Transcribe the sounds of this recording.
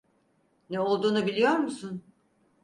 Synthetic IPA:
nɛo̞lˠd̪uːnubilʲijo̞ɾmusun

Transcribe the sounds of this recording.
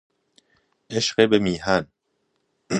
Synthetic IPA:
eʃqebemiːɦan

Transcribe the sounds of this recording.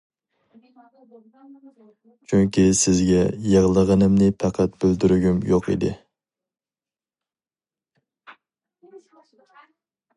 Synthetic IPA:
t͡ʃʰyŋkʲisɪzɡʲɛjɑʁlˠəʁənɨmnɪpʰɑqʰæt̪̚bɪld̪yɾyɡʲymjoqḭd̪ɪ̰

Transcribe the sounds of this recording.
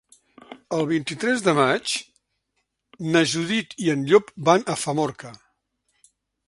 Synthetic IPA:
əlˠβint̪it̪ɾɛzðəmat͡ʃ | nəʒuðit̪iənʎopbanʔəfəmɔɾkə

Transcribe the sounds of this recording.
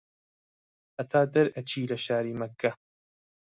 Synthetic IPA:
ʔɐt̪ʰaːd̪ɐɾɐt͡ʃʰiːlɐʃaːɾiːmɐkʰːɐ

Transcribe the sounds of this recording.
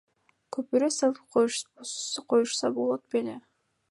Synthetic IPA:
kʰɵpyɾøselˠqʰoj | qʰojuʃsɑbo̞lˠot̪̚bele

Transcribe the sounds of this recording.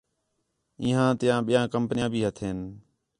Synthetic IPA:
iːɦãːt̪ɪjãːɓɪjãːkəmpənɪjãːbʱiːɦət̪ʰeːn

